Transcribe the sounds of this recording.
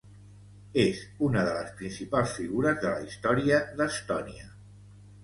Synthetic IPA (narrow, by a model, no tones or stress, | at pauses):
ezunəðələspɾinsipalˠsfiɣuɾəzðələist̪ɔɾiəðəst̪ɔniə